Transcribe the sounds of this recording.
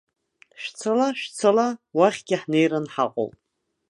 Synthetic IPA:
ʃt͡sʰalaʃt͡sʰalawaχʲɡʲɪħnejranħaqʷʼo̰wpʼ

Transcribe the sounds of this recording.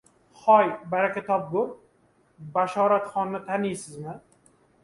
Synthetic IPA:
χɒjbaɾakʲat̪ʰɒp̚ɡʊɾ | baʃɒːɾat̪χɒnːɪt̪ʰanijsɪzmɪ

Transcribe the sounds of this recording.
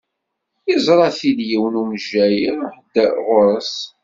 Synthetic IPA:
jəzˤɾˤɑθiðjiwnumʒæjəɾħəd̪ːæʁʊɾəs

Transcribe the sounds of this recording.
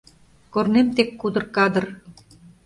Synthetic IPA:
kornemt̪ekːud̪ɤ̆rkɑd̪ɤ̆r

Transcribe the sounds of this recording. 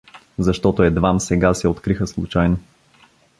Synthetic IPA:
zɐʃt̪ɔt̪oɛd̪vamsɛɡasɛot̪kɾixəslˠṵt͡ʃajno

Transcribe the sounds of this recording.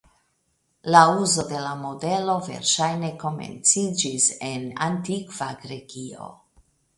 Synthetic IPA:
lauzo̞de̞lamo̞de̞lo̞ve̞̰ɾʃajne̞ko̞me̞̰nt͡sid͡ʒisena̰ntikv̥aɡɾe̞ɡio̞̰

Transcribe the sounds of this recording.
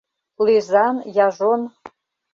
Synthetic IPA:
lizɑnjɑʒon

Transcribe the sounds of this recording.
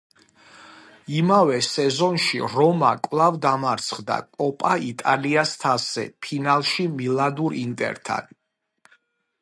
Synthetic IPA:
imavɛsɛzɔnʃḭɾɔmakʼvlˠavd̪amaɾt̪sʰχd̪a̰kʼɔpʼait̪ʼaliast̪ʰasɛ̰pʰinalˠʃimilˠad̪uɾint̪ʼɛ̰ɾt̪ʰa̰n

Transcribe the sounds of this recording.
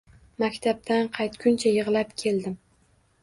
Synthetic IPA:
makʲt̪ʰab̚t̪ʰanqʰɑjt̪kʲʰʊnt͡ʃʰajɨʁlapkʲʰe̞ld̪ɪm

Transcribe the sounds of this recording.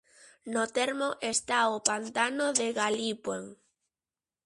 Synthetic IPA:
not̪eɾmoʔest̪aopant̪anoðeɣalipweŋ

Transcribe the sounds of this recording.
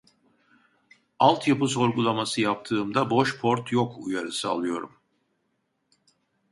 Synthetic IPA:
alˠt̪ʰjapɯs̬o̞ɾɡulˠamasɯjap̚t̪ʰɯːmd̪abo̞ʃpʰo̞ɾt̪ʰjokʰujaɾɯsa̰lˠɯjo̞̰ɾum

